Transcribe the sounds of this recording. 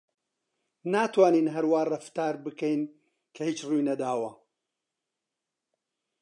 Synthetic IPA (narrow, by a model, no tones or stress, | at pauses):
naːt̪waːniːnɦɐɾwaːrˤɐft̪aːɾbɨkɛjn | kʰɐhiːt͡ʃrujnɐd̪aːwɐ